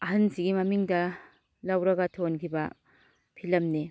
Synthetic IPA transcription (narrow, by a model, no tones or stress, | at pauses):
ɐɦɐnsiɡimɐmiŋdɐ | lɐwɾɐɡɐtʰonkʰibɐ | pʰilɐmni